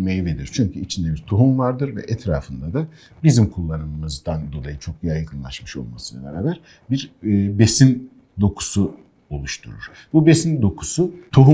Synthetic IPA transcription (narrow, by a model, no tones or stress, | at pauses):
mejiveɾiɾ̥t͡ʃʰyɲcʰyit͡ʃʰind̪ɛbiɾt̪ʰoɦumvaɾd̪ɯɾvɛ̰ʔɛt̪ʰɾa̰ːfɯnd̪ad̪a | bizimkʰulˠːanɯmɯzd̪and̪o̞lˠajɯt͡ʃʰo̞k̪̚jajkʰɯnlˠa̰ʃmɯʃo̞̰lˠmasɯnˠa̰beɾaːbæɾ | biɾːbe̞sin | d̪o̞kʰu̥su | o̞lˠuʃt̪ʰṵɾṵɾ̥ | bube̞sind̪o̞kʰu̥sut̪ʰoɦu